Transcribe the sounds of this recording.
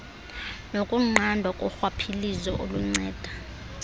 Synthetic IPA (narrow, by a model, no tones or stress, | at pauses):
nokʼuŋ͡ǃʱandʱwakʼɔxwapʰilizɔʔoluŋ͡ǀɛːd̥ʱḁ